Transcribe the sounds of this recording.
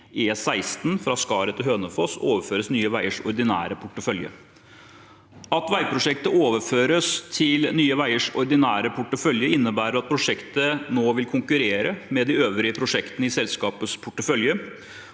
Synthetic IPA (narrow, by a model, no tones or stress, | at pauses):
eːsæɪst̪nfɾɑskɑːɾət̪ʰɪlɦøːnəfosoːʋəɾføːɾəsnyːəʋæɪəʂɔɾd̪ɪnæ̰ːɾəpʰʊʈːəfœljə̰ | ɑt̪ʋæɪpʰɾʊʂɛkt̪əʔoːʋəɾføːɾəst̪ʰɪlnyːəʋæɪəʂɔɾd̪ɪnæːɾəpʰʊʈːəfœljəɪnːəbæːɾəɾɑt̪̚pʰɾʊʂɛkt̪ənoːʋɪlkʰʊŋkʉɾeːɾəmɛd̪ɪøːʋɾɪəpʰɾʊʂɛkt̪ənəɪsɛlskɑːpəspʰʊʈːəfœljə